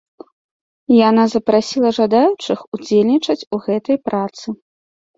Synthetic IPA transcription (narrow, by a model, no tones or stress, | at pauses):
janazɐpɾasʲilˠɐʐad̪ajut͡ʂɨxud͡zʲelʲnʲit͡ʂɐt͡sʲuɣɛt̪ɐjpɾat̪sɨ